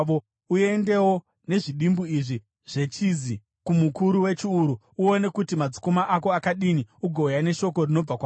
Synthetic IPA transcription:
o | ue̞nde̞wo̞ | ne̞ʐiɗimbuiʐi | ʐ̥e̞t͡ʃizi | kumukuɾuwe̞t͡ʃiuɾu | uo̞ne̞kutimad͡zi̥komaʔako̞akaɗiniuɡʱojane̞ʃo̞ko̞rino̞b͡vakwa

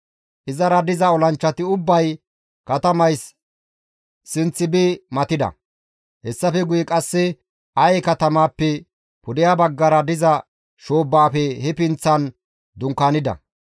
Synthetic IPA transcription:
ʔɪzɐɾɐd̪ɪzɐɔlɐnt͡ʃːɐt̪ɪʊbːɐj | kɐt̪ɐmɐjs | sɪnt͡sːɪbɪmɐt̪ɪd̪ɐ̰ | hɛsːɐfɛɡʊjɛkʼɐsːɛ | ʔɐjkɐt̪ɐmaːpːɛ | pʊd̪ɪjabɐɡːɐɾɐd̪ɪzɐ | ʃoːbːaːfɛhɛpɪnt͡sːɐn | d̪ʊŋkaːnɪd̪ɐ̰

